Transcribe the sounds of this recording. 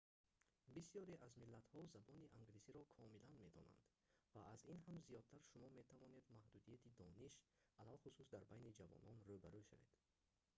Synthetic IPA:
bisijɔɾeʔazmilːat̪hɔzabɔniʔaŋɡlisiɾɔkʰɔmilanme̞d̪ɔ̰na̰nd̪̥ | vaːzinɦamzijɔd̪̚t̪ʰaɾʃumɔme̞t̪ʰavɔne̞d̪mahd̪ud̪ijat̪ʰid̪ɔniʃalalχususd̪aɾbajnid͡ʒavɔ̰nɔnrubaɾuʃa̰ve̞̰d̪̥

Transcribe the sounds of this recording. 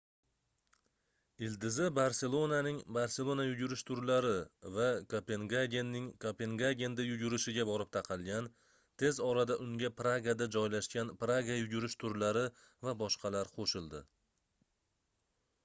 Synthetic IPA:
ɪld̪ɪzɪbaɾse̞lˠo̞nanɪŋbaɾse̞lˠo̞najʊɡʲʊɾɪʃt̪ʰʊɾlaɾɪvakʰope̞ŋɡaɡʲe̞nːɪŋkʰope̞ŋɡaɡʲe̞nd̪ajʊɡʲʊɾɪʃɪɡʲabɒɾɪp̚t̪ʰɑqʰɑlˠɡʲan | t̪ʰe̞zɒɾad̪aʔʊŋɡʲapɾaɡad̪ad͡ʒɒjlaʃkʲanpɾaɡajʊɡʲʊɾɪʃt̪ʰʊɾlaɾɪ | vabɒʃqʰɑlaɾqʰoʃɪlˠd̪ɪ̰

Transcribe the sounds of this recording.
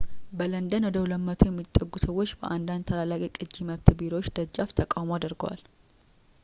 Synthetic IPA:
bələnd̪ənwɔd̪əwləmːət̪ʰujɛmːit̪ʼːəɡːusəwːot͡ʃːbəʔand̪and̪t̪ʰəlalakʼikʼɨd͡ʒːiməβt̪ʰbiɾoot͡ʃːd̪əd͡ʒaft̪ʰəkʼawmoad̪ɨɾɡə̰wa̰l

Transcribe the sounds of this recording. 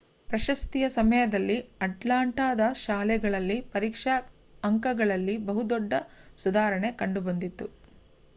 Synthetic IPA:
pɾɐʃɐst̪ijɐsɐmɐjɐd̪ɐlːiɐʈlaːɳʈaːd̪ɐʃaːlɛɡɐɭɐlːipɐɾiːkʂɐ | ɐŋkɐɡɐɭɐlːibɐɦud̪ɔɖːɐsud̪aːɾɐɳe̞kɐɳɖubɐnd̪it̪ːu

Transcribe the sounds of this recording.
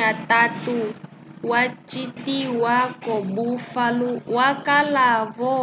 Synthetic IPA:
atatu | wat͡ʃitiwakɔbufaluwakalavɔ

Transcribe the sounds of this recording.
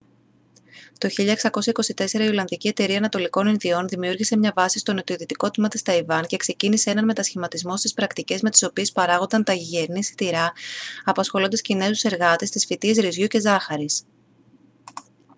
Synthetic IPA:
t̪o̞çiʎɐeksɐko̞sɐiko̞sit̪e̞se̞ɾɐio̞lɐnðicie̞t̪e̞ɾiɐnɐt̪o̞liko̞ninðio̞nðimiuɾʝise̞mɲɐvɐsi̥st̪o̞not̪ioðit̪iko̞t̪imɐt̪ist̪ɐivɐnce̞kse̞cinise̞e̞nɐnme̞t̪ɐsçimɐt̪izmo̞st̪ispɾɐkt̪ice̞zme̞t̪i̥so̞pie̞spɐɾɐɣo̞nd̪ɐnt̪ɐʝiʝeɾnisi̥t̪iɾɐɐpɐsxo̞lo̞nd̪ɐscine̞zuse̞ɾɣɐt̪est̪isfit̪iesɾizʝuce̞zɐxɐɾis

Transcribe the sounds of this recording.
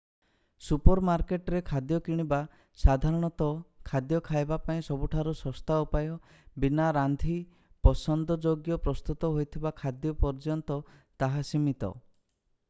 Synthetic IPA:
supɔɾmaɾkeʈɾekʰad̪jɔkiɽ̃iba | sad̪ʱaɾɔɽ̃ɔt̪ɔkʰad̪jɔkʰajbapaĩsɔbuʈʰaɾusɔst̪aupajɔ | binaɾand̪ʱi | pɔsɔnd̪ɔd͡ʒoɡjɔpɾɔst̪ut̪ɔɦojt̪ʰibakʰad̪jɔpɔɾd͡ʒɔnt̪ɔt̪aɦasimit̪ɔ̰

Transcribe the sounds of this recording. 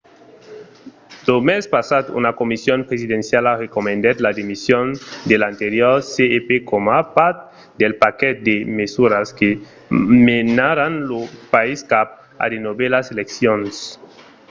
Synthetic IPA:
d̪̥omespasat̪ṵnakomisjonpɾesiðensjalarekomẽnd̪et̪ladimisjond̪elant̪eɾjoɾseepekomapaɾt̪̚ | d̪elpakɛt̪̚d̪emesuɾaske | menaɾanlopaiskap̚ | a̰denoβelaseleksjons

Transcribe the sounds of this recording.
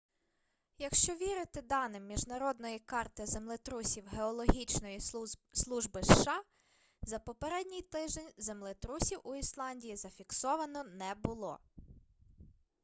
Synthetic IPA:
jɐkʃt͡ʃɔʋʲiɾɪt̪ɪd̪ɑnɪmːʲiʒnɐɾɔd̪nɔjikɑrt̪ɪzemlˠɪt̪ɾusʲiwɦeɔlˠɔɦʲit͡ʃnɔjislˠuʒbɪʃːɑ | zɐpɔpeɾɛdʲnʲijt̪ɪʒd̪enʲzemlˠɪt̪ɾusʲiwuislˠɑnʲdʲijizɐfʲiksɔʋɐnɔnɛbʊlˠɔ̰

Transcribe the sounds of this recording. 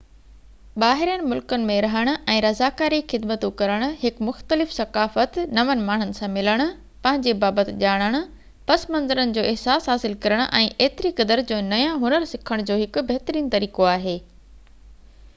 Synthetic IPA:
ɓaːɦɪɾijənɪ̆mʊlkənɪ̆mẽɾɐɦəɽ̃ʊ̆ʔɛ̃ːɾɐzaːkaːɾixɪd̪mət̪õkɐɾəɽ̃ʊ̆hɪkmʊxt̪əlɪfsɐkaːfət̪nɐʋənɪmaːɳ̤ʊnɪ̆sãmɪləɽ̃ʊ̆ | pɐ̃ɦɪ̃ɲd͡ʑebaːbət̪ʄaːɽ̃əɽ̃ʊ̆ | pɐsmɐ̃nzəɾənɪ̆d͡ʑoːɪɦsaːsɦaːsɪlkɐɾəɽ̃ʊʔɛ̃ːʔeːt̪ɪɾikɐd̪əɾd͡ʑoːnɐjãɦʊnəɾsɪkʰəɽ̃d͡ʑoːɦɪkbɐɦt̪əɾiːnt̪ɐɾiːkoaːɦeː

